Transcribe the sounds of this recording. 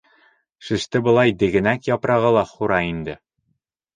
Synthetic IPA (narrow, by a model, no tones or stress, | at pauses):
ʃɘ̆ʃt̪ɘbɤ̆lˠɑjd̪ɘ̆ɡɘ̆nækjɒpɾɑʁɤlˠɑχuɾɑind̪ɘ